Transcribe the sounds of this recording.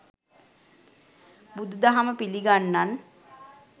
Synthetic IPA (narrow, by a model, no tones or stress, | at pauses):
bud̪ud̪aɦaməpiliɡanːan